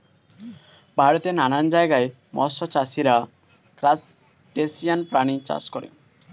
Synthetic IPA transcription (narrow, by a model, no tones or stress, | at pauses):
baɽɔt̪enañand͡ʒajɡae | mɔ̰sɔt͡ʃasiɾa | kɾas | ʈesianpɾaɽ̃it͡ʃa̰skɔɾḛ